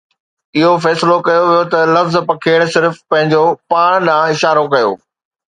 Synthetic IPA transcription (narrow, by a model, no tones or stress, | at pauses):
ɪɦofɛːslokɐjoʋijot̪ɐlɐfzpɐkʰeːɽ̃sɪɾfpɐ̃ɦɪ̃ɲd͡ʑopaːɽ̃ɗãːɪʃaːɾokɐjo̰ː